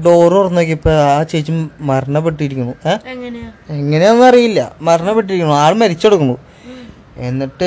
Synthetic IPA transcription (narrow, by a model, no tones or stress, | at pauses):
ɖoːrurɐnːok̬ʲːipːoːaːt͡ɕejt͡ɕːummɐrɐɳːɐpːeʈːiɾikʲːunːueː | iŋːɐne̞onːɨɐrijilːɐ̰mɐɾɐɳɐpːeʈ̬ːiɾikʲːunːuaːɭmɐɾit͡ɕːo̞ɽukːunːu | e̞nːiʈːɨ